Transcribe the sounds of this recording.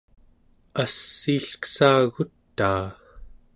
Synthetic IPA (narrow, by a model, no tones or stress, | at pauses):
asːiːɬkə̥saːɣut̪ːaː